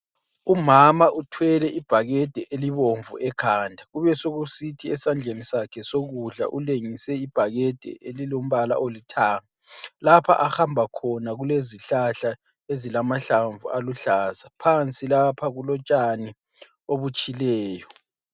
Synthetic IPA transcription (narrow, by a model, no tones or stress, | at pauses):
umamaʔutʰwɛlɛʔib̥ʱaɣɛd̥ʱɛʔeliβoɱvṵʔɛkʰandʱaɣuβɛsoɣusitʰiɛsand͡ɮʱenisakʰɛsoɣuɮa̰ʔuleŋisɛib̥ʱaɣɛd̥ʱɛ̰ʔelilom̩βala̰ʔolitʰaːŋalapʰa̰ʔaxambʱakʰɔnaɣuleziɬaɬa | ezilamaɬaɱvuʔaluɬaːzapʰant͡sʼilapʰaɣulɔt͡ʃʼani | oβut͡ʃʼilɛːjɔ